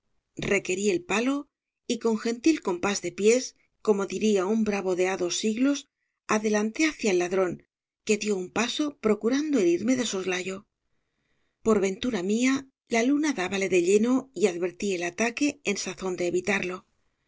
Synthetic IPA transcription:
re̞ke̞ɾie̞lpalo̞ | iko̞ŋxe̞nt̪ilko̞mpazðe̞pje̞s | komo̞ðiɾiaumbɾaβo̞ðe̞aðo̞sːiɣlos | aðe̞lant̪e̞aθjaelːaðɾo̞ŋ | ke̞ðjo̞umpaso̞pɾo̞kuɾand̪oe̞ɾiɾme̞ðe̞so̞zlaʝo̞ | po̞ɾβe̞nt̪uɾamia | lalunaðaβale̞ðe̞ʎe̞no̞iaðβe̞ɾt̪ie̞lat̪ake̞ːnsaθo̞nd̪e̞ːβit̪aɾlo̞

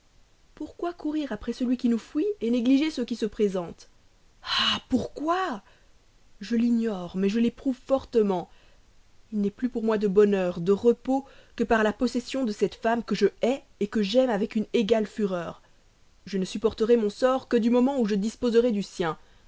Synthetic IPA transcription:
puʁkwakuʁiʁapχɛsəlɥikʲinufɥieneɡliʒesəkʲisəpχezɑ̃t̪ | apuʁkwa | ʒəliɲɔʁmɛʒəlepχuvfɔʁt̪əmɑ̃ | ilnɛplypuʁmwad̪əbɔnœːʁd̪əʁəpokəpaʁlapɔsɛsjɔ̃d̪əsɛt̪famkəʒəɛ | ekəʒɛmavɛkyneɡalfyʁœːʁ | ʒənəsypɔʁt̪əʁɛmɔ̃sɔʁkəd̪ymɔmɑ̃uʒəd̪ispozəʁɛd̪ysjɛ̃

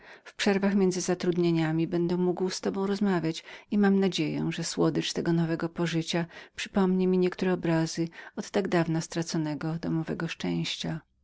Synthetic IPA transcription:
fpʂɛɾvaxmʲɛnd̪zɘzat̪ɾud̪ɲeɲamʲibɛnd̪ɛmuɡwst̪ɔbɔ̃w̃ɾɔzmavʲjat͡ɕimamnad͡ʑejɛ̰ʐɛswɔd̪ɘt͡ʂt̪ɛɡɔnɔvɛɡɔpɔʐɘt͡ɕapʂɘ̥pɔmɲɛmʲiɲɛkt̪uɾɛɔbɾazɘɔt̪t̪aɡd̪avnast̪ɾat̪sɔnɛɡɔd̪ɔmɔvɛɡɔʂt͡ʂɛ̃w̃ɕt͡ɕa

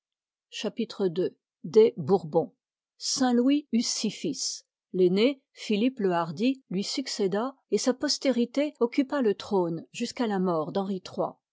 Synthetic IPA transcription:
ʃapit̪χəd̪ø | d̪ebuʁbɔ̃ | sɛ̃lwiysifis | lene | filipləaʁd̪ilɥisyksed̪aesapɔst̪eʁit̪eɔkʲypalət̪χonʒyskalamɔʁd̪ɑ̃ʁit̪χwa̰

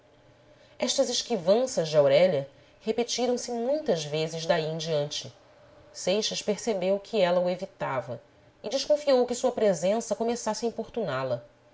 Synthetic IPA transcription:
ɛʃt̪ɐzeʃkivɐ̃sɐzd͡ʒɪawɾɛʎɐ | hepet͡ʃiɾɐ̃w̃sɪmũj̃t̪ɐzvezɪzd̪aiẽj̃d͡ʒiɐ̃nt͡ʃɪ | sejʃɐʃpeɾsebewkʰɪɛlɐuevit̪avɐ | ɪd͡ʒɪʃkõfiowkɪsuɐpɾezẽsɐkomesasɪɐĩpoɾt̪unalɐ

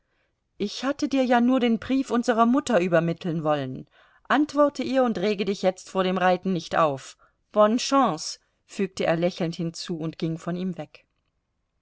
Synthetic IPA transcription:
ʔɪçhatədiːɐjaːnuːɐdeːnbʁiːfʔʊnzəʁ̞ɐmʊtɐʔyːbɐmɪtʰl̩nvɔlən | ʔantv̥ɔɐtʰəʔiːɐʊntʁeːɡədɪçjɛt͡stfoːɐɾeːmʁaɪtn̩nɪçtʔa̰ʊf | v̥ɔnʃɑ̃ːs | fyːk̚təʔeːɐlɛçl̩nthɪnt͡suːʊntɡ̥ɪŋfɔniːmvɛk

